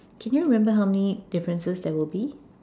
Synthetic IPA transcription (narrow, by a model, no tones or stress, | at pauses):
kʰɛ̃njuɹimɛ̃mbəɦawmɛnidɪfɹə̃nsəsdɛwɪlbi